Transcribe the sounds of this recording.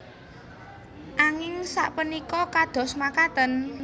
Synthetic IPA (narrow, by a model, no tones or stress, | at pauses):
ʔaŋɪŋsa̰ʔpənikɔkad̪̥ɔ̤smakat̪ən